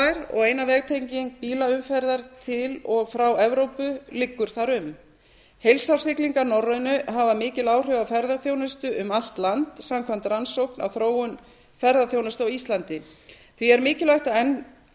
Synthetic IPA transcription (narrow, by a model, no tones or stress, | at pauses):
jɾɔ̰ɣeːjnavɛːɣt̪ʰejɲciŋk̚piːlaʏmfɛɾðaɾt̪ʰɪlɔɣfɾawɛvɾowpʏlɪkːʏɾ̥θaɾʏm | hejlsaw̥sɪkliŋkaɾnɔrːʏnʏɦavamɪːcɪlaːwr̥ʏwvafɛɾðaθjoːwnʏst̪ʏʔʏmal̥t̪lant̪samkʰvam̥t̪ransowhkna̰wθɾoːwʏn | fɛɾðaθjoːwnast̪ɔwist̪lant̪ɪ | θviɛɾmɪːcɪlaht̪aɛnː